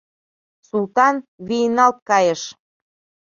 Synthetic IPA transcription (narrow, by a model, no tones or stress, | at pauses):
sult̪ɑnβinɑlt̪̚kɑjə̆ʃ